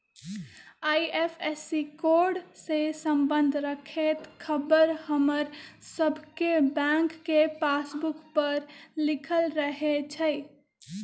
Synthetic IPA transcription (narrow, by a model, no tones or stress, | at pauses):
ajepʰesikoɾɖsesəmbənd̪ʱɾəkʰet̪kʰəbəɾhəməɾsəbʱkebãŋkːepasbukpəɾlikʰəlɾəɦet͡ʃʰəɪ